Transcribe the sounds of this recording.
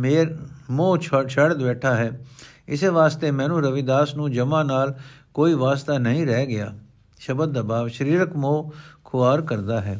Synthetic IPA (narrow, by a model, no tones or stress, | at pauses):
meːɾmoːt͡ʃʰt͡ʃʰəɽd̪bɛːʈʰaːɦɛːɪseʋaːst̪emɛ̃ːnũːɾəʋid̪aːsnũːd͡ʒəmãːnaːlkoːiʋaːst̪anɐɦĩɾɛːɡɪjaː | ʃəbəd̪̚ːabaːʋʃəɾiːɾəkmoːkʰʊaːɾkəɾd̪aːɦɛː